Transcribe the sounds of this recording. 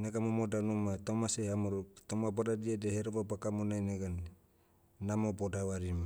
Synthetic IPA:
naɡamomodanumatomasehamuɾuk̚t̪omabadadiadeheɾobabakamonajneɡan | namobodawaɾima

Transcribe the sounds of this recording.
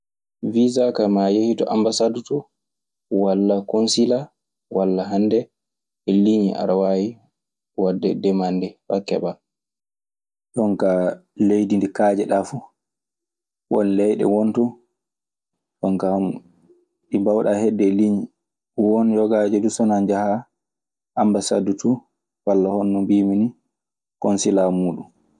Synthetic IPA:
vizakamajehitɔ̰ʔambasadutɔ | walːakonsila | wʔalːaɦandɛ | ɛliɲḭʔa̰ɾawaji | wadːɛ̰dɛmandɛfa̰kːɛ̰ɓa | ɗɔŋkalejdindikaːd͡ʒɛɗafu | wɔ̰nlɛjɗɛ̰wontu | ɗɔŋkahm | ɗibawɗahɛdːɛliɲi | wɔnjɔɡaːd͡ʒɛdusɔnand͡ʒaha | ʔambasadutu | walːahonːumbiːmini | kɔnsilamuːɗum

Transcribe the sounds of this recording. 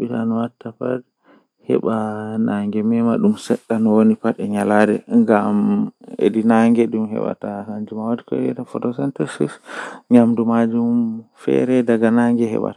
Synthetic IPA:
ɓitanɔwatːapad | hɛ̰ɓanaŋɡɛmɛmaɗumsɛɗːanɔwonipaɗɛɲaladɛŋɡamḛdinaŋɡɛɗumɦɛ̰ɓa̰tahaɲd͡ʒumawadikɔ̰ɛ̰tafɔtɔsɛntɛsisɲamdumad͡ʒumfɛ̰ɾɛdaɡanaŋɡɛɦɛ̰ɓa̰t

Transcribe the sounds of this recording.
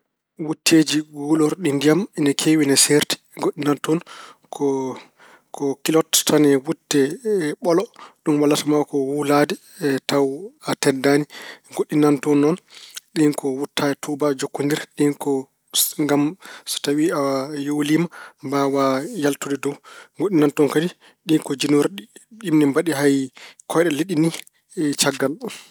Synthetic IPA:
wutʰːed͡ʒiɡulɔɾɗindijamɛnakʰewinɛseɾti̥ɡoɗːinantɔnkʰɔ | kʰɔkilɔttʰanɛwutːɛɓɔlɔɗumwalːatamawkɔwuladɛ | tawatɛdaniɡoɗːinantɔnːɔnɗinkɔwutʰːajɛtʰubad͡ʒokːondiɾɗinkɔ | ŋɡamsɔ̥tawiajowlimambawajaltudɛdɔwɡoɗːinantɔnkadi | ɗinkɔd͡ʒinuɾɗiɗimnɛmbaɗiɦajkʰɔjɗɛliɗini | t͡ʃaɡːal

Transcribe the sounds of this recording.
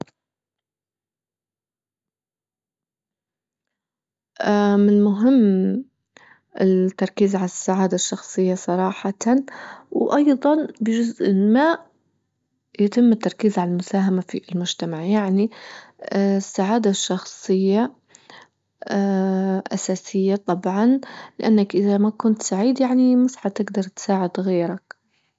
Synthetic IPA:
ʔamɪnmʊɦɪmː | ɪt̪ːɑɾˤkiːzʕalasːaʕaːd̪aʃːɑxsˤɨjːasˤɑɾˤɑːħɑ | wʔɑjðˤɑnbɪd͡ʒʊzʔɪmaːʔ | jɪt̪ɪmːɪt̪ːɑɾˤkiːzʕalalmʊsaːɦamafilmʊd͡ʒt̪amaʕjaʕni | sːaʕaːd̪aʃːɑxsˤɨjːa | ʔa̰saːsɪjːat̪ˤɑbʕɑnlɪʔanːakʔɪðamakʊnt̪saʕiːd̪jaʕnimʊsħat̪ɪɡd̪ɑɾˤt̪saːʕɪd̪ɣiːɾak

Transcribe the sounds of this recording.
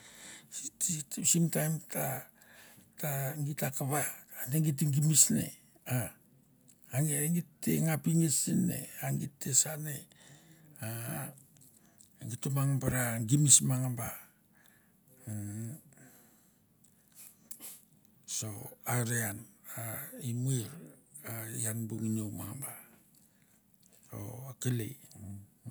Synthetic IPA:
itisimtajmta | taŋɡitakaβaneŋɡit̬iŋɡimisne̞̰ | a | nŋitːe̞̰ŋapiŋesine̞̰aŋɡitːe̞sane̞ | a | ŋitumaŋabaɾaɡimismaŋamba | so̞aɾeanaimueɾajanbuŋinowmaŋamba | o̰kelḛ

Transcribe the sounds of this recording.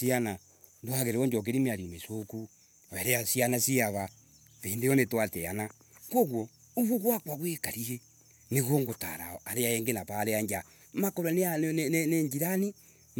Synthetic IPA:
siana | ndwaɣeɾeɔɲd͡ʒɔk̬eɾimeaɾimesoku | aɛɾeasianasiaβa | peːndejɔnetwatɛana | koɣwɔ | uβuɣwakwaɣwekaɾie | neɣoŋɡota̰ɾa̰aɾeaɛŋɡenapaɾeaɲd͡ʒa | makɔɾaneaneneɲd͡ʒiɾani

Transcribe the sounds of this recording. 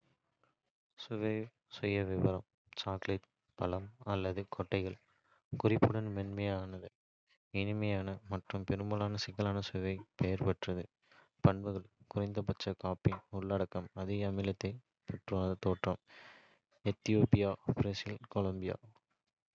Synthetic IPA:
sʊʋɐɪ | sʊjːɐʋɪʋɐɾɐm | t͡ʃaːklɐʈ̚ | pɐlɐmɐlːɐðɯkʰɔʈːɐɪɣɐɭ | kʊrɪpːɯɽɐnmɛnmɐjaːnɐðɯ | ɪnɪmɐjaːnɐmɐʈrɯmpɛɾɯmbɐlaːnɐsɪɣɐlaːnɐsʊʋɐɪpejɐɾpɐʈrɐðɯ | pɐɳbɯɣɐɭkʊrɐɪnd̪ɐpɐt͡ʃːɐkaːpːɪnʊɭːɐɽɐkːɐmɐðɪɣɐːmɪlɐt̪ːɐɪ | pɐʈrat̪ːoːʈrɐm | ɛt̪ːɪjoːpɪjaːbɾɛsɪlkɔlɐmbɪja̰ː

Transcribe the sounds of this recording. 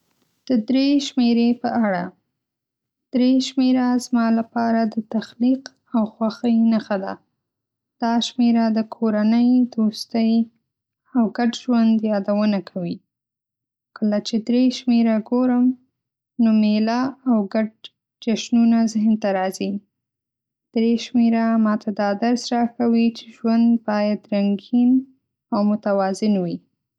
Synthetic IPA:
d̪̥əd̪ɾeʃmeɾepəaɽa | d̪̥ɾeʃmeɾazmɑlapɑɾad̪ət̪axliq | awxwaxəjnaxad̪a̰ | d̪̥ɑʃmeɾad̪əkʰoɾanəjd̪ost̪əj | awɡaɖʒwand̪jɑd̪awənakʰawi | kʰəlat͡ʃed̪ɾeʃmeɾaɡoɾəm | nomelaawɡaɖ̚ | d͡ʒaʃnunazɪhnt̪aɾɑzi | d̪̥ɾeʃmeɾamɑt̪ʰad̪ɑd̪aɾsɾɑkawit͡ʃe̥ʒwand̪bɑjad̪ɾaŋɡin | awmʊt̪awɑzɪnwi

